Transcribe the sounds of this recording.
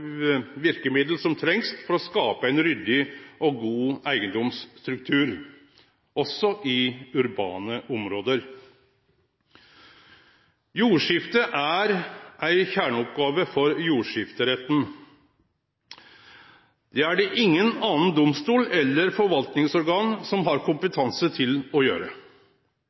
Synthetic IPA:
ʋɪɾkəmɪd̪l̩sɔmt̪ʰɾɛŋst̪fɔɾɔskɑːpəæɪnɾʏd̪ɪʔɔɡuːæɪɡənd̪ɔmst̪ɾʉk̚t̪ʰʉːɾ | ʔɔsɔʔɪʉɾbɑ̰ːnəʔɔmɾoːd̪əɾ | juːʂɪft̪əʔæɾʔæɪçæːɳəɔpɡɑːʋəfɔɾjuːʂɪft̪əɾɛt̪n̩ | d̪̥ɛæɖɛʔɪŋːənɑːnənd̪ʊmst̪uːlɛlːəɾfɔɾʋɑlt̪nɪŋsɔɾɡɑːnsɔmɦɑɾkʰʊmpət̪ʰɑnsət̪ʰɪlɔjø̰ːɾə

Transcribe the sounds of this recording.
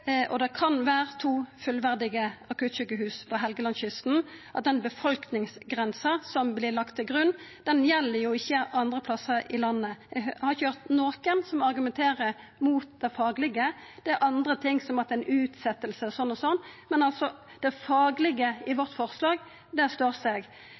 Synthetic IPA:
ʔɔd̪ɛkʰɑnʋæːɾət̪ʰuːfʉlʋæʁd̪ɪɡəɑkʉt̪ɕʏkːəɦʉːspʰɔɦɛlɡəlɑnɕʏst̪n̩ʔɑt̪̚d̪ɛnbəfɔlknɪŋsɡʁɛnsəsɔmblɪlɑkt̪ʰːɪlɡʁʉnːd̪̥ɛnjɛlːəɾjʊɪçːəʔɑnd̪ʁəpʰlɑsəɾɪlɑnːəɛhɑɾɪçəhœʁt̪noːkənsɔmɑʁɡʉmɛnt̪ʰeːɾə | muːt̪̚d̪̥ɛfɑːɡlɪɡəd̪̥ɛʔɑnd̪ɾət̪ʰɪŋːsɔmɑt̪ɛnʔʉːt̪sɛt̪ːəlsəsɔnːɔsɔnːmɛnɑlsɔ | d̪̥ɛfɑːɡlɪɡəɪʋɔʁt̪fɔʁslɑːɡ | d̪ɛst̪oːʁsɛɡ

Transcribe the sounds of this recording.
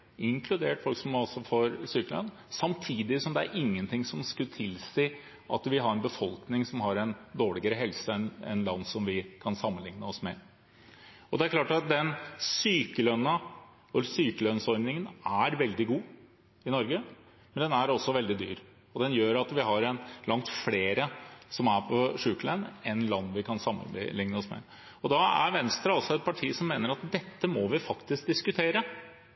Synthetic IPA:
ɪŋkʰlʉd̪eːʈfɔlksɔmɔsɔfɔɾsyːkəlœ̰nː | sɑmt̪ʰiːd̪ɪsɔmd̪ɛæ̰ɾʔɪŋːənt̪ʰɪŋsɔmskʉt̪ʰɪlsiː | ʔɑ̰t̪ʋɪɦɑɾɛnbəfɔlknɪŋsɔmɦɑɾɛnd̪oːɭɪɡəɾəɦɛlsəɛnɛ̰nlɑnːsɔmʋɪkʰɑnsɑmːənlɪŋnəɔsmɛ | ɔd̪ɛæɾklɑːʈɑt̪̚d̪ɛnsyːkəlœnːɑ | ɔsyːkəlœnsɔɾnɪŋənæɾʋɛld̪ɪɡuː | ɪnɔɾɡə | mɛnd̪ɛnæɾɔsːɔʋɛld̪ɪd̪y̰ːɾ | ɔd̪ɛnjøːɾɑt̪ʋɪɦɑɾɛnlɑŋt̪fleːɾəsɔmæɾpʰɔʂʉːklənɛnlɑnːʋɪkʰɑnsɑmːə̰lɪŋnəɔsmɛ̰ | ɔd̪ɑæ̰ɾʋɛnst̪ɾɑɑlsɔɛt̪̚pʰɑʈʰiːsɔmːeːnəɾɑt̪d̪ɛt̪ːəmɔʋɪfɑkt̪ɪsk̚d̪ɪskʉt̪ʰeːɾə

